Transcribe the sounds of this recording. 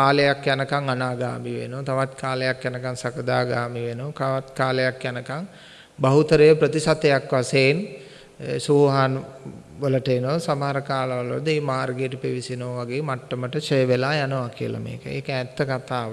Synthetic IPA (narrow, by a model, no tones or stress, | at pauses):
kaːləjakjanəkaŋanaːɡa̰ːmiʋḛnuʋt̪aʋat̪kʰaːlejakjanəkaŋsakəd̪aːɡaːmiʋenuʋkaʋat̪kaːləjakjanəkaŋ | bɐɦut̪əɾəjəpɾət̪isat̪ejakʋaseːn | suɦaːn | ʋələʈəenosamaɦaɾəkaːləʋalʋd̪əeːmaːɾɡeːʈəpiʋisinoːʋaɡeːmaʈːəməʈət͡ʃəjəʋelaːjanəʋakiə̰la̰mḛːkə̰ḛːkɛːt̪ːəkat̪aːʋ